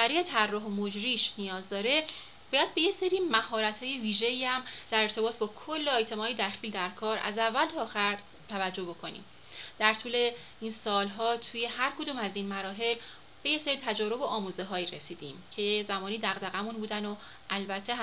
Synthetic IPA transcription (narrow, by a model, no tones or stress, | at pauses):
æɾiːjet̪ʰærːɒːɦomod͡ʒɾiːʃnijɒːzd̪ɒːɾe̞ | b̥ɒːjæd̪̚be̞jeseɾiːmæhɒːɾæt̪ʰhɒːjeviːʒe̞iːæmd̪̥æɾeɾt̪ʰe̞bɒːt̪ʰbɒːkʰolːoet̪ʰe̞mɒːid̪æxiːld̪æɾkʰɒːɾæ̰zævːælt̪ʰɒːxæɾ | t̪ʰævæd͡ʒːo̞hbo̞kʰo̞nḭːm | d̪̥æɾt̪ʰuːle̞ | iːnsɒːlɦɒːt̪ʰuːje̞hæɾkʰod̪uːmæzinmæɾɒːɦe̞l | b̥e̞jeseɾiːt̪ʰæd͡ʒɒːɾo̞boʔɒːmuːzeɦɒːiɾesiːd̪iːmcʰe̞zæmɒːnid̪æɣd̪æɣæmunbuːd̪æno | ʔælbæt̪ʰːe